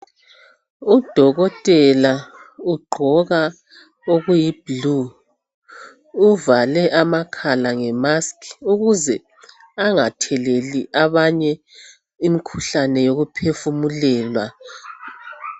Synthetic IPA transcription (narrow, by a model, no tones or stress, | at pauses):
ud̥ʱɔɣɔtʼɛlauɡ͡ǃʱɔɣa | oɣujiblu | valɛʔamakʰalaŋɛmaskʰuɣuzɛ | aŋatʰɛleliʔaβaɲɛ | imikʰu̥ɬanɛjoɣupʰefumulɛːlwa